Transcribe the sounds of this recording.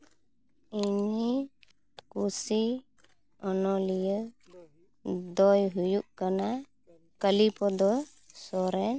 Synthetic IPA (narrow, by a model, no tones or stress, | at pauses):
iɲi | kusi | ɔnɔlijə | d̪ɔjɦujuʔkana | kəlipɔd̪ɔ | sɔɾɛn